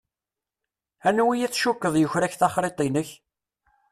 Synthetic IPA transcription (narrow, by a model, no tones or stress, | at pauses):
ænwijæt͡sːʃukːəðˤjəçɾæçθɑχɾet̪ˤinəç